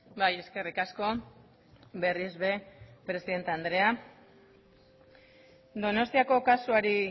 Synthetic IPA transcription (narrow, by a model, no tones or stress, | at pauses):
baje̞ske̞rikasko̞ | be̞rizβe̞pɾe̞siðe̞nt̪eand̪ɾe̞a | d̪o̞no̞st̪iako̞kasuaɾi